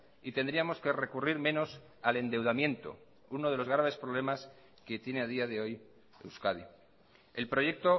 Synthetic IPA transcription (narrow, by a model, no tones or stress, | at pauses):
it̪e̞nd̪ɾiamo̞ske̞re̞kuriɾmẽ̞no̞s | ale̞nd̪ewð̞amjẽ̞nt̪o̞̰ | uno̞ðe̞lo̞zɣɾaβe̞spɾo̞β̞le̞mas | ket̪je̞ne̞aðiaðe̞o̞j | ḛwskað̞i | e̞lpɾo̞ʝe̞k̚t̪o̞